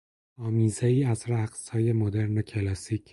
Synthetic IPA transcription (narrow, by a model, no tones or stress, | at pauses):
ɒːmiːzeiːæzɾæɡshɒːjemod̪eɾnocʲʰelɒsicʰ